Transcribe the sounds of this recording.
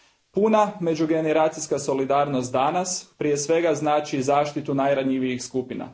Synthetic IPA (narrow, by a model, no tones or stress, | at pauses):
puname̞d͡ʒuɡe̞neɾaːt̪sijskaso̞lid̪aːɾnost̪̚d̪anaspɾije̞sʋe̞ɡaznaːt͡ʃizaːʃt̪it̪unajɾaɲiʋijixskupina̰